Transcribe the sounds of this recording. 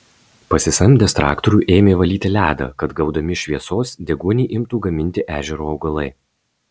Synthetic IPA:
pɐsʲɪsɐmʲd̪ʲɛst̪ɾɑ̰ːkt̪ɔɾʲuːʔeːmʲeːʋɐlʲiːt̪ʲɪlʲæːd̪ɐ̰ːkɐt̪ɡɐʊd̪ɐmʲɪʃʲʋʲiɛsoːsd̪ʲɛɡuɔnʲiːʔɪmt̪uːɡɐmʲɪnʲt̪ʲɪʔæːʒʲɛɾuːɐʊɡɐlˠɐɪ

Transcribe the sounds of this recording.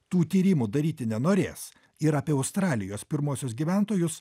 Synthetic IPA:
t̪uːt̪ʲiːɾʲiːmud̪ɐɾʲiːt̪ʲɪnʲɛnoːɾʲḛːs | ɪɾɐːpʲeːɐʊst̪ɾɑːlʲɪjoːspʲɪɾmoːsʲʊsɡʲiːʋʲæˑnt̪oːjʊs

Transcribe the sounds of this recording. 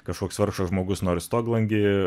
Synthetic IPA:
kɐʃkoɔkʲsʋɐɾkʃɐʒmoːɡʊsnoːɾʲɪst̪oːɡlˠɐŋʲɡʲɪ

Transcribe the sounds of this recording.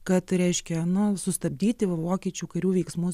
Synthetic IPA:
kɐt̪ɾʲɛɪʃʲkʲɛnʊsʊst̪ɐbʲd̪ʲiːt̪ʲɪʋoːkʲiːt͡ʃʲuːkɐɾʲuːʋʲɛɪksmʊ

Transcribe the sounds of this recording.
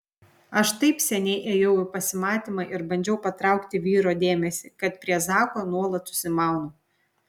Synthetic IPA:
ɐʃt̪ɐɪpsʲɛnʲɛɪʔeːjɛʊɪpɐsʲɪmɑːt̪ʲiːmɐɪʔɪɾbɐnʲd͡ʒʲɛʊpɐt̪ɾɑˑʊkt̪ʲɪʋʲiːɾoːd̪ʲeːmʲɛsʲɪkɐt̪̚pʲɾʲiɛzɑːkoːnuɔlˠɐt̪sʊ̥sʲɪmɑˑʊno

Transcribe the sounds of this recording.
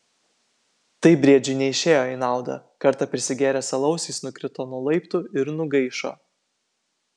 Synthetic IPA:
t̪ɐɪbʲɾʲiɛd͡ʒʲʊɪnʲɛɪʃʲeːjoːɪnɑˑʊd̪ɐ̰kɐɾt̪ɐpʲɾʲɪsʲɪɡʲeːɾʲɛːsɐlˠɐʊsʲiːˑsnʊkʲɾʲɪt̪oːnʊlˠɐɪpt̪ʊɪɾnʊɡɐɪʃo̰ː

